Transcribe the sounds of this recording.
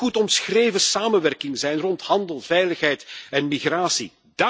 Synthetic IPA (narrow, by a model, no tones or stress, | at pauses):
utɔmsxreːjvəsaːmənʋɛrkɪŋzɛjnrɔnthɑndəlˠv̥ɛjləxɦɛjtɛnmiɣraːsḭ | d̥a